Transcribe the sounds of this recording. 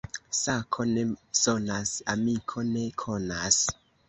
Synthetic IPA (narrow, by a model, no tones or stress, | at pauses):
sakʰo̞ne̞so̞nasamikʰo̞ne̞kʰo̞nas